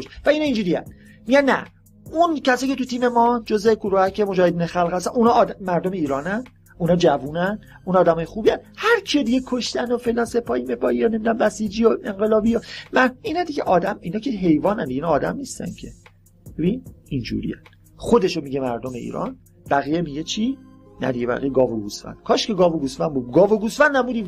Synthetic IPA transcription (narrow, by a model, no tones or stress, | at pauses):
oʃvæiːnɑind͡ʒuːɾiːæ̰n | miɟænːæ̰ | uncʰæsɒːjcʰet̪ut̪ʰiːme̞mɒd͡ʒozekuɾuːhækʰemod͡ʒɒːhe̞d̪iːnexælhæs̬t̪ænunɒːd̪mæɾd̪omeiːɾɒːnæn | unɒːd͡ʒævuːnæn | unɒːd̪æmɒːjexuːbijænhæɾkʰied̪iɡekʰoʃt̪ænofelænse̞pʰɒːhimepʰɒːijɒne̞miːd̪æmbæsiːd͡ʒioe̞ŋɢe̞lɒːbijomæiːnæd̪iɟeʔɒːd̪æmiːnɒːcʰeɦe̞jvɒːnænd̪iɡeiːnɒːd̪æmniːst̪æ̰ncʰe̞ | b̥e̞binind͡ʒṵːɾḭjæn | xod̪e̞ʃomiɟemæɾd̪ome̞ḭːɾɒ̰n | b̥æɣijemiɟet͡ʃʰi | næ̰d̪iɟebæ̰ʁḭjeɡɒːvoɡusfæ̰nd̪̥kʰɒːʃceɡɒːvoɡusfænbuːd̪ɡɒːvoɡusfænd̪ːæmuːd̪i